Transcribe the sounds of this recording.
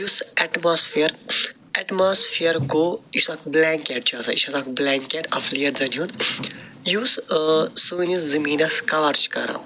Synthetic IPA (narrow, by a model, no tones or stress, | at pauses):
jusɛʈmaːsfiɐɾ | ɛʈmaːsfʰiɐɾkoisɐkblaːŋkeːʈ̚t͡ʃʰɐt̪ʰɐ̰ḭʃɐt̪ʰɐkblaːŋkeʈɐ̰fliɐɾzɐniɦũnd̪ | jussɨːniszɐmiːnɐskɐʋɐɾt͡ʃʰi̥kɐ̰ɾa̰